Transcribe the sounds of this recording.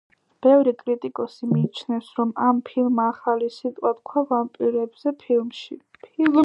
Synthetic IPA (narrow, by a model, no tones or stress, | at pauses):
b̥ɛvɾikʼɾit̪ʼikʼɔsimiːt͡ʃʰnɛfsɾɔmampʰilˠmaːχalisit̪ʼwʼat̪kʰwavampʼiɾɛbz̥ɛpʰilˠmʃḭpʰil